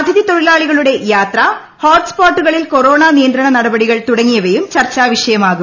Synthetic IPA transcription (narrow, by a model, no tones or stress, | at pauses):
ɐd̪ʱɐðit̪oɻilaːɭiɣɐɭuɽe̞jaːt̪rɐ | hoːʈspaːʈːuɣɐɭilko̞ɾoːɳaːnijɐnd̪ɾɐɳɐnɐɽɐbɐɽiɣɐɭt̪uɽɐŋːijɐʋɐjumt͡ɕɐrt͡ɕːaːʋiʂɐjɐmaːɣu